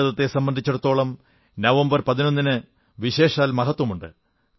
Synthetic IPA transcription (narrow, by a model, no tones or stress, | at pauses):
ɐðɐt̪ːe̞sɐmbɐnd̪ʱit͡ɕːuɽɐt̪ːo̞ːɭɐm | nɐʋɐmbɐrpɐðino̞nːinɨ | ʋiɕe̞ːʂaːlmɐɦɐt̪wɐmuɳɖɨ̰